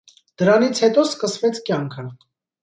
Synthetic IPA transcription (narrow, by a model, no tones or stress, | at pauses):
d̪̥əɾɑnit͡sʰhɛt̪ɔskəsvɛt͡sʰkjɑŋkʰə